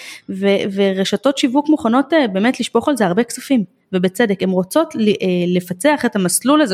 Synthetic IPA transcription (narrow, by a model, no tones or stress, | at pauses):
veveʁeʃato̞tʃivukmuχano̞tbe̞ːmetliʃpo̞χalzeaʁbe̞kt͡safim | vebet͡sedeke̞mʁo̞t͡so̞tlʔlefat͡seaχetamaslulaze